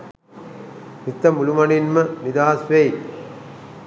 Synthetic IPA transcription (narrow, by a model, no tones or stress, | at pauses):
mit̪ːɐmulumɐninmənid̪aːsʋej